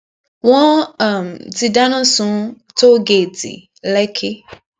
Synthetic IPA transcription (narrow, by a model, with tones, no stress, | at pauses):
wɔ̃˦a˨m˨ti˨da˦nʊ̃˦sũ˨˦ | to˦ɡe˨dɪ̰˨ | lɛ˦kʰɪ˦